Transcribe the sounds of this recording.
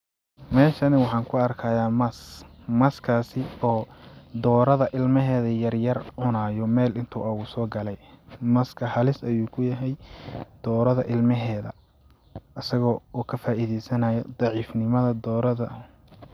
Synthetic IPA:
mɛːʃɐnɪwɑħɑːŋkʰʊɐrkʰaːjaːmɐsmɐskʰaːsɪɔːd̪ɔːɾɐðɐʔɪlmɐɦɛːðɐjɐrjɐrʕʊnaːjɔmɛːlɪnt̪ʰṵːɐɣʊsɔːɡɐlɛjmɐskʰɐhɐlɪsɐjuːkʰʊjɐɦɛjd̪̥ɔːɾɐðɐʔɪlmɐɦɛːðɐ̰ | ʔɐsɐɣɔːuːkʰɐfaːʔiðɛjsɐnɐjɔd̪ɑʕiːfnɪmɐðɐd̪ɔːɾɐðɐ

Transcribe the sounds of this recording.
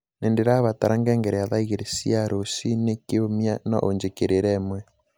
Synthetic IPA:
nendeɾaβataɾaŋɡɛŋɡɛɾɛjaðaiɣeɾesiaɾosinekeomjanɔ̰ʔoɲd͡ʒekeɾeɾɛːmwɛ

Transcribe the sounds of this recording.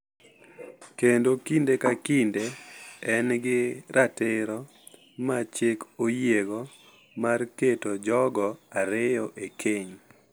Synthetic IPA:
kendokindekakindeɛnɡɪɾʔatɪɾɔ | mat͡ʃɪkojeɡɔ | marketod͡ʒɔɡɔaɾɪjɔʔekʰeɲ

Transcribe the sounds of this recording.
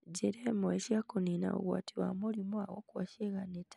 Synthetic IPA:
ɟiɾemueʃakunina̰o̰ɣwa̰tʰiɾwa̰mulimuawokwaʃeɣaneta

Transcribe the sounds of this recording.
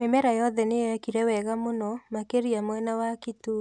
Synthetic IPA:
memɛɾajɔðɛneakiɾɛwɛɣamonɔmakeɾiamwɛnawakitu

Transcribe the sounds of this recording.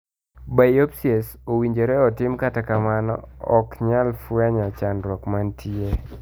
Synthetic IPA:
bajopsesowiɲd͡ʒeɾɛɔtɪmkatakamanɔ̰ɔkɲalfwaɲat͡ʃanɾɔkmantʰie

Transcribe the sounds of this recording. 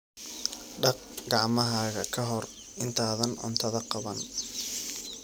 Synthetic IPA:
ɖɑq | ɡɑʕmɐɦaːɣɐkʰɐɦɔr | ɪnt̪ʰaːðɐnʔʊ̰nt̪ʰɐðɐqɑβɐn

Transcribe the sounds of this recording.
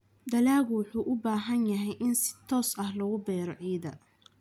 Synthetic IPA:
d̪ɐlaːɣwʊħuːʔʊbaːɦɐnjɐɦɛjʔɪnsɪ̥t̪ʰɔːsɐhlɐɣʊbɛːɾɔʕiːðɐ

